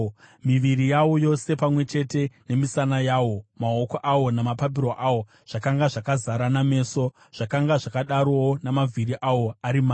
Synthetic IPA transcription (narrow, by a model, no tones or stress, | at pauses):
miʋiɾijawo̞jo̞se̞pamwe̞t͡ʃe̞te̞ne̞misanajaːwo̞mao̞koʔawo̞namapap̬iɾoʔawo̞ | ʐ̥akaŋɡaʐakazaɾaname̞ːso̞ | ʐ̥akaŋɡaʐakaɗaɾowonamavʱiɾiʔawo̞aɾimaː